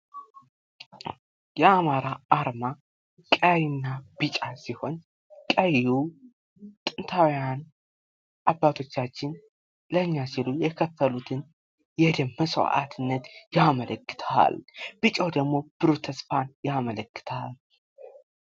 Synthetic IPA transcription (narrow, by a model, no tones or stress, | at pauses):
jɛamaɾaʔːɾma | kʼəjnːabɨt͡ʃʼasiho̞n | kʼəjju | t̪ʼɨnt̪ʰawjan | ʔabːat̪ʰo̞t͡ʃːat͡ʃːɪn | ləɨɲːasilujɛkʰəfːəlut̪ʰɨn | jɛd̪əmːəsw̰ʔa̰t̪ʰɨnːət̪jamələkːɨ̥t̪ʰa̰lbɨt͡ʃʼəwd̪əɡmo̞b̥ɨɾot̪ʰːəsfanjamələkːɨ̥t̪ʰal